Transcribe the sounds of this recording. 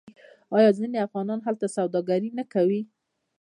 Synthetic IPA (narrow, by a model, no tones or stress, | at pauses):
ɑjɑzineafɣɑnɑnɦalt̪asawd̪ɑɡaɾinakawi